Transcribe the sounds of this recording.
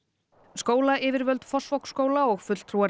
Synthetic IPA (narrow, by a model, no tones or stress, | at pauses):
skoːwlaʔɪːvɪɾvœlt̪fɔsvɔwkskoːwlaɔɣfʏt̪l̥t̪ʰɾuaɾ